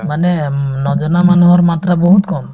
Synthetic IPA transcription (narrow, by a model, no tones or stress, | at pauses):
manɛnɔd͡ʒɔnamanuɦɔɾmat̪ɾabɔɦut̪kɔm